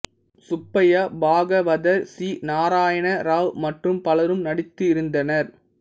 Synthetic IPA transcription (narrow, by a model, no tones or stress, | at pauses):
sʊpːɐjɐbaːɡɐʋɐðɐɾsiːnaːɾaːjɐɳɐɾaːʋmɐʈrɯmpɐlɐɾɯmnɐɽɪt̪ːɯɪɾɯnd̪ɐnɐɾ